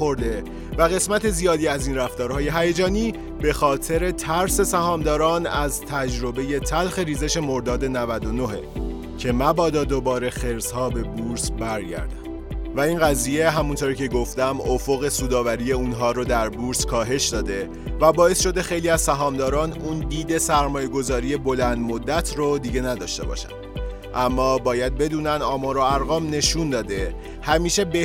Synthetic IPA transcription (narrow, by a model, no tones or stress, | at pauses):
oɾd̪e̞ | væɣe̞smæt̪ʰe̞zijɒːd̪iːæziːnræft̪ɒːɾɦɒːje̞ɦæjed͡ʒɒːniː | be̞xɒːt̪ʰeɾe̞t̪ʰæɾse̞sæhɒːmd̪ɒːɾɒːnæzt̪ʰæd͡ʒɾo̞be̞je̞t̪ʰælxe̞ɾiːze̞ʃe̞mo̞ɾd̪ɒːd̪e̞nævæd̪o̞no̞ɦḛ | cʰe̞mæbɒːd̪ɒːd̪obɒːɾe̞xe̞ɾshɒːbe̞buːɾsbæɾɟæ̰ɾd̪æm | væinɣæziːje̞ɦæmunt̪ʰoɾiːcʰe̞ɡo̞ft̪æmofo̞ɣe̞suːd̪ɒːvæɾijeuːnɦɒːɾod̪æɾbuɾskʰɒːɦe̞ʃd̪ɒːd̪e̞ | væbɒːe̞sʃo̞d̪e̞xe̞jliːæzsæɦɒːmd̪ɒːɾɒːnund̪iːd̪e̞sæɾmɒːje̞ɡo̞zɒːɾije̞bo̞lænd̪mod̪ːæt̪ʰrod̪iːɟe̞næd̪ɒ̰ːʃt̪e̞̰bɒ̰ːʃæ̰n | ʔæmːɒːbɒːjæd̪̚be̞d̪uːnænd̪ɒːmɒːɾoæɾɣɒːmne̞ʃund̪ɒːd̪e̞ | hæmiːʃe̞be